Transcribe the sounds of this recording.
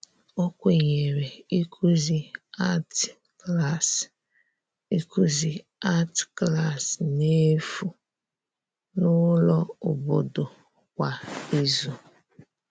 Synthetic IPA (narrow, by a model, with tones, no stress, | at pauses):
o˦kʷe˨ɲe˨ɾe˨i˦kʰu˦zi˦a˦t | kla˦˨s | i˦ku˦zi˨ | a˦tkla˦˨sne˦fu˨ | nʊ˦lɔ˦ʊ˨bo̰˨do˨ | kʷa˨i˦zu˨